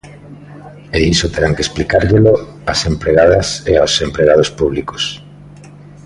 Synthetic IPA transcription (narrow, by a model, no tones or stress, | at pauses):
eisot̪eɾaŋkesplikaɾʎelo | asempɾeɣaðɐseaosempɾeɣað̞ospuβ̞liko̥s